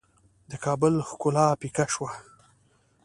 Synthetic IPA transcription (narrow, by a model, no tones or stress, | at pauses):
d̪əkɑːbʊlxkʊlɑpikaʃwa